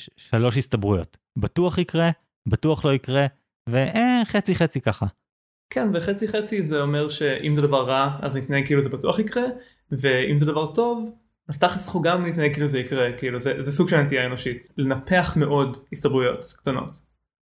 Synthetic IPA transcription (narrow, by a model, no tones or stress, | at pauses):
ʃalo̞ʃistabʁujo̞t | batuaχikʁe | batuaχlo̞ikʁe | veʔeχet͡siχet͡sikaχa | kʰɛnveχet͡siχet͡sizeomeʁʃe̞ʔimzɛd̪avaʁːaaznit̪najeɡ̚kiiluzebatuaχikʁe | veimzɛd̪avaʁto̞v | azt̪aχesliχuɡamnit̪najeɡkiiluzeikʁekiiluzezɛsuɡʃelnet̪ijaeno̞ʃitlenape̞aχmeʔo̞distabʁujo̞tkt̪ano̞̰t